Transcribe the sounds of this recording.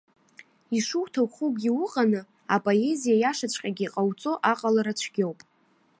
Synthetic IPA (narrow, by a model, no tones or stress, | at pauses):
iʂuwtʰawχukʼɡʲiwʊqʼanɨ | apʼo̞e̞zijajaʂat͡ɕʷʰʼqʲʼaɡʲiːqʼawt͡sʼo̞ʔaqʼalaɾat͡ɕʷʰɡʲo̞wpʼ